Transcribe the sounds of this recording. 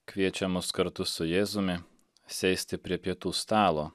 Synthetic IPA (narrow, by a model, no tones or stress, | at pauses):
kʋʲiɛt͡ʃʲɛmʊskɐɾt̪ʊsʊjeːzʊmʲɪ | sʲɛɪsʲt̪ʲɪpʲɾʲiɛpʲiɛt̪uːst̪ɑːlˠoː